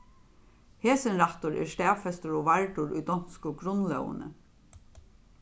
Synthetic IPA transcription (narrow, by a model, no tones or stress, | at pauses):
heːsɪnɾaht̪ʊɾɛ̰ɹst̪ɛːfɛst̪ʊɾɔvaɹʈʊɾṵjd̪ɔn̥skʊɡɾʊnlœ̰wə̰nə̰